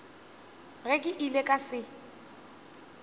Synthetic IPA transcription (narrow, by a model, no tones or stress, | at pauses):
ɣɛkʼɪʔilekʼasɪ